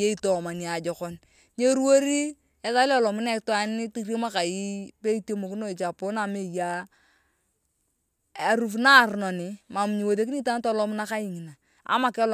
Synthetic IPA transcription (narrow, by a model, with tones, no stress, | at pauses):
e˦i˦tɔ˨ma˨ni˨a˨d͡ʒɔ˨kɔ˦n | ɲe˦ɾwo˦ɾi˦ | ɛ˦ta˦lɔ˦˨lɔ˨mʊ˦nɛ˦˨ktwa˨˦nɪ˦ti˦ɾe˦ma˦ka˨ji˦pe˦to˦mo˨ki˦no˦i˨t͡ʃa˨po˦na˨me˦˨ja˦ | a˨ɾu˨f̬na˦˨ɾnɔ˨nɪ˨ma˨m˨ɲi˨wo˨t̬e˦k̬i˦ta˦n˦tɔ˦lɔ˦mʊ˦na˦ka˦ji˨ŋi˨na˨ | a̰˦ma˨kl